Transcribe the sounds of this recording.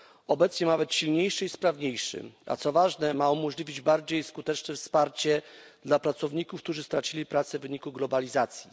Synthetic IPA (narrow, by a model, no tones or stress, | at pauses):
ɔbɛt̪sɲɛnavɛt̪ɕilɲejʂɘispɾavɲejʂɘ̰a̰t̪sɔvaʐnɛmaumɔʐlʲivʲid͡ʑbaɾd͡ʑejskut̪ɛt͡ʂnɛfspaɾt͡ɕɛd̪̥lapɾat̪sɔvɲikufkt̪uʐɘst̪ɾat͡ɕilʲipɾat̪sɛvɘɲikuɡlɔbalʲizat̪sʲji